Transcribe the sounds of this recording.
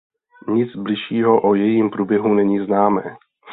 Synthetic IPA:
ɲɪd͡zblɪʃiːɦoʔojɛjiːmpɾuːbjɛɦunɛɲiːznaːmɛː

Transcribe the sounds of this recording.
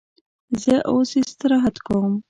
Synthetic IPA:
zəʔosest̪əɾɑɦat̪kawəm

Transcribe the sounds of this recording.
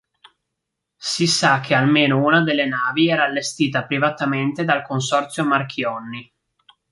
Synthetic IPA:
sisak̟ːealmeːnounad̪elːenaːviɛːɾaːlːest̪iːt̪apɾivat̪ament̪ed̪alkons̬ɔrt̪sjomarkʰjɔnːi

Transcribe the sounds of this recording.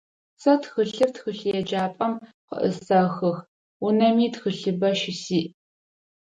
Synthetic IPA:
sɐtxɨɬɨr̚txɨɬɨjɛd͡ʒaːpʼɐm | qə̰ʔə̰sɐxɐx | unɐmiːtxəɬɨbɐʃɪsiːʔ

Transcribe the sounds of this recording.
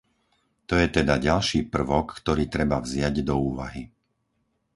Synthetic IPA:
t̪ɔjɛt̪ɛd̪aɟalʃiːpr̩ʋɔkːt̪ɔɾiːt̪ɾɛbavzɪaɟd̪ɔuːʋa̰ɦi

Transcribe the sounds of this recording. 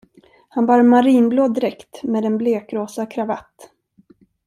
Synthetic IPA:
hanbɑːɾmaɾiːnbloːd̪ːɪɾɛkt̪meːd̪ɛnbleːkɾoːsakʰɾava̰t̪ː

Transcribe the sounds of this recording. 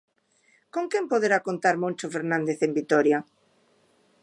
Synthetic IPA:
koŋkempoðeɾakont̪aɾmõnʲt͡ʃofeɾnãnd̪eθembit̪ɔɾja

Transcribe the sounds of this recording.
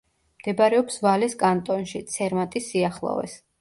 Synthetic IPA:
md̪̥ɛbaɾɛɔpsvaliskʼant̪ʼɔnʃit̪sʰɛɾmat̪ʼisiaχlˠɔ̰vɛ̰s

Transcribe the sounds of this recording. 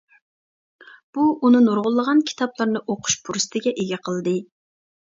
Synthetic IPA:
b̥uʔunɨnoɾʁʊlˠːəʁɑnkʲʰi̥t̪ʰɑplˠɑɾnɨʔoqʰʊ̥ʃpʰuɾsɨ̥t̪ʰɪɡʲɛʔeɡʲɛqʰəlˠɨd̪ɨ

